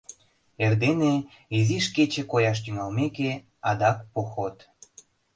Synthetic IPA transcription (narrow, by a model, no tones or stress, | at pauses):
erd̪ene | iziʃket͡ɕĕkojɑʃ̬t̪yŋɑlmeke | ɑd̪ɑkpoxot̪